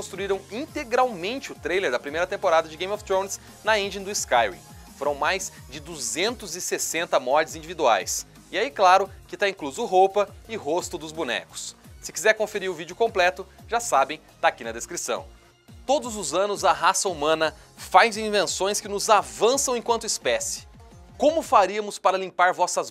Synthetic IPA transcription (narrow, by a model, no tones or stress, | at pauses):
kõst̪ɾuiɾɐ̃w̃ĩnt̪eɡɾawmẽnt͡ʃɪʊt̪ɾejleɾd̪ɐpɾimejɾɐt̪ẽmpoɾad̪ɐd͡ʒɪɡẽjmɔft̪ɾõw̃ns | nɐẽnd͡ʒĩd̪ʊɪskajwḭ̃ | foɾɐ̃w̃majz | d͡ʒɪd̪uzẽnt̪ʊzɪsesẽnt̪ɐmɔɾt͡ʃɪzĩd͡ʒivid̪ua̰js | ɪaiklaɾʊkɪt̪aĩkluzʊɦowpɐɪɦost̪ʊd̪ʊzbunɛ̰kʊ̥sːɪkizɛɾkõfeɾiɾʊvid͡ʒʊkõmplɛt̪ʊʒasabẽj̃t̪aːkinɐd̪eskɾisɐ̰̃w̃ | t̪od̪ʊzʊzɐ̃nʊzɐɦasɐumɐ̃nɐ | fajzĩvẽsõj̃skɪnʊzavɐ̃sɐ̃w̃ẽkwɐ̃nt̪ʊɪspɛsɪ̥ | kõmʊfaɾiɐmʊspaɾɐlĩpaɾvɔsɐz